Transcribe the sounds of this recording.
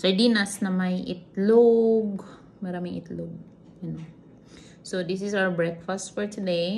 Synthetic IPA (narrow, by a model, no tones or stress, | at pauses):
səɖinasnamajʔit̪loɡ | ɡəɾamiḭt̪loɡ̚ | juno | sod̪is̬izawəɾbɾekfasʈfɔɾt̪ʰude